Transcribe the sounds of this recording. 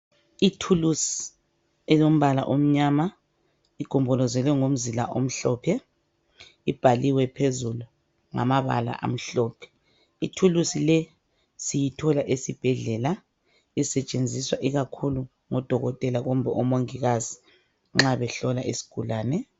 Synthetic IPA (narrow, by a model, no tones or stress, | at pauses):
itʰulusi̥ | ɛjom̩βala̰ʔom̩ɲama | iɡ̥ʱɔmbʱɔlɔzɛlwɛŋom̩zilaʔom̩ɬɔːpʰɛ | ib̥ʱaliwɛpʰezulu | ŋa̰maβa̰la̰ʔa̰m̩ɬɔːpʰɛ̥ | itʰulusilɛ | sijitʰɔlaʔesib̥ʱɛɮɛla | isɛt͡ʃʼend͡zʱiswaʔiɣakʰulu | ŋɔd̥ʱɔɣɔtʼɛlaɣɔm̩bʱɛʔɔmoŋiɣazi | ŋ͡ǁaβɛɬɔlaʔesi̥ɡ̥ʱulaːnɛ